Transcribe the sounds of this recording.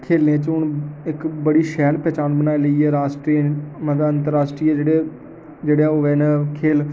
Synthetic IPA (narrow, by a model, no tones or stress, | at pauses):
kʰeːlnẽːt͡ʃʊnɪkbəɽiːʃɛːlpɛːt͡ʃaːnbənaːeləiɛːɾaːsʈɾiːməd̪aːənt̪əɾːaːsʈɾiːɛːd͡ʒeːɽeː | d͡ʒeːɽãoʋɛːnɛ̃ːkʰeːl